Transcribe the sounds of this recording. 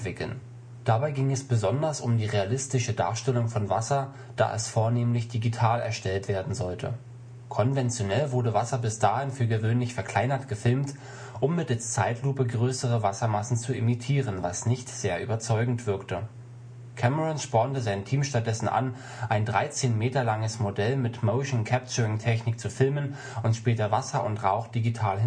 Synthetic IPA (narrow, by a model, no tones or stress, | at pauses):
v̥ɪkl̩n | d̥abaɪɡɪŋɛsb̥əzɔndɐsʊmdiːʁealɪstɪʃəda̰ːɐʃtɛlʊŋfɔnvasɐ | d̥a̰ːʔɛ̰sfoːɐneːmlɪçd̥iɡitʰaːlɛ̰ɐʃtɛltv̥eːɐdn̩zɔltʰə̰ | kʰɔnvɛnt͡sjonɛlvʊɐdəvasɐbɪsd̥aːhɪnfyːɐɡəvøːnlɪçfɛɐkʰl̥aɪnɐtɡ̥əfɪlmt | ʔʊmːɪtalst͡saɪtʰluːpəɡʁøːsəʁəvasɐmasn̩t͡suɪmitʰiːʁənvasnɪçtz̥eːɐʔy̰ːbɐt͡sɔʏɡŋ̩tv̥ɪɐktə | kʰɛməʁɔnʃpɔːntəzaɪntʰiːmʃtat̚d̥ɛsn̩ʔa̰n | ʔaɪndʁaɪt͡seːnmeːtɐlaŋəsmodɛlmɪtmoʊʃn̩kʰɛp̚t͡ʃəʁɪŋtʰɛçnɪk̚t͡sufɪlmən | ʊntʃpɛːtɐvasɐʔʊntʁaʊxd̥iɡitʰaːlhɪ